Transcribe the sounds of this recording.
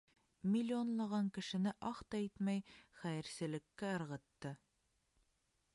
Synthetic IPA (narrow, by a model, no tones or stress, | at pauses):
mʲilʲːionlˠɑʁɑŋkɘ̆ʃɘ̆nɘʔɑχt̪ɑit̪mæjχæjɘ̆ɾsɘ̆lɘ̆kːæɤ̆ɾʁɤ̆t̪ːɤ